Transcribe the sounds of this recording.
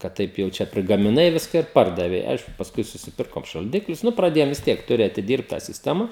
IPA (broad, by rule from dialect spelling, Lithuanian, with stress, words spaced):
kɐt ˈtɐɪp jɛʊ ˈt͡ʃʲɛ pʲrʲɪɡɐmʲɪˈnɐɪ ˈʋʲɪskɐ ɪr ˈpɐrdɐʋʲɛɪ ˈɐɪʃkʊ pɐsˈkʊɪ sʊsʲɪˈpʲɪrkoːm ʃɐlʲˈdʲɪklʲʊs ˈnʊ prɐˈdʲeːjoːm ʋʲɪs ˈtʲiɛk ˈtʊrʲɪ ɐtʲɪˈdʲiːrpt tɑː sʲɪsʲˈtʲæːmɐ